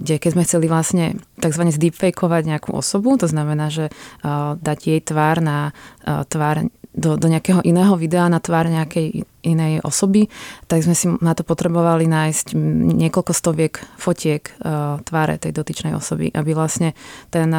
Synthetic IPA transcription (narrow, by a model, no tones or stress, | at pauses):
ɡɟɛkɛzmɛxt͡sɛliʋlasɲɛt̪aɡzʋaɲɛzd̪ipfɛjkʰɔʋaɟɲɛakṵʔɔ̰sɔbut̪ɔznamɛnaːʒɛ | d̪aɟjɛjt̪ʋaːɾnat̪ʋaːɾd̪ɔd̪ɔɲɛakɛɦɔʔinɛːɦɔʋid̪ɛanat̪ʋaːɾɲɛakɛj | ʔinɛjʔɔ̰sɔbit̪aɡzmɛsinat̪ɔpɔt̪ɾɛbɔʋalinaːjscɲɪɛkɔlkɔst̪ɔʋɪɛkfɔcʰɪɛkt̪ʋaːɾɛ̰t̪ɛjd̪ɔt̪it͡ʃnɛjɔ̰sɔbḭʔabiʋlasɲɛt̪ɛn